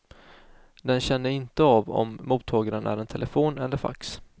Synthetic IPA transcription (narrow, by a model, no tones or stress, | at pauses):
d̪ɛnɕɛnːəɪnt̪əavɔ̰mːuːt̪ʰːɑːɡaɾənʔæ̰ɾɛnt̪ʰɛlʔɛfoːnɛlːəɾfa̰ks